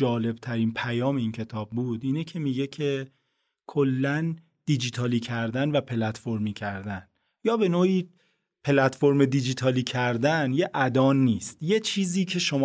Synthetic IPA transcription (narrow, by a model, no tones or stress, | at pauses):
d͡ʒɒːle̞b̚t̪ʰæɾiːnpʰæjɒːme̞iːncʰe̞t̪ʰɒːbbuːd̪iːnecʰe̞miɟe̞cʰe̞ | kʰolːæn | d̪̥id͡ʒit̪ʰɒːliːcʰæɾd̪ænvæpʰe̞læt̪fo̞ɾmiːcʰæɾd̪æn | jɒːbe̞noːiː | pʰe̞læt̪fo̞ɾmed̪id͡ʒit̪ʰɒːliːcʰæɾd̪ænjeʔæd̪ɒːnːiːst̪je̞t͡ʃʰiːziːcʰe̞ʃom